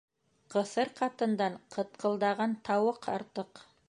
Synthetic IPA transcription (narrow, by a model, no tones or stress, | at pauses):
qɤ̆θɤɾqɑt̪ɤ̆nd̪ɑɴqʰɤ̆t̪̚qʰɤ̆lˠd̪ɑʁɑnt̪ɑwɤqʰɑ̰ɾt̪ɤq